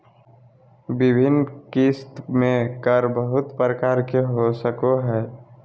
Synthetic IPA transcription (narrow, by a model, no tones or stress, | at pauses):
bɪbʱɪnkist̪mẽkəɾbəɦʊt̪pɾəkaːɾkeɦosəkoɦɛː